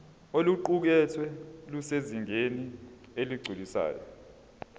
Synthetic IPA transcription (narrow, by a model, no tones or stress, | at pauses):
oluǃuk̬ɛtʰwɛluseziŋeni | eliɡ͡ǀʱilisa̰ːjɔ̰